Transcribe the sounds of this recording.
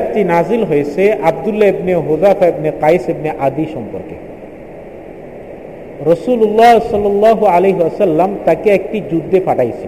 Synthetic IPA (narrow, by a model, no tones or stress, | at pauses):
ʈinazilɦojt͡ɕʰeʔab̚d̪ulːaebneɦod̪afaebneqajsebneʔad̪iʃɔmpɔ̰ɾkḛ | ɾɔsululːaɦsɔlːɔlːaːɦualeɦiasɐlːamt̪akeɛk̚ʈid͡ʑud̪ʱːepaʈʰajt͡ɕʰe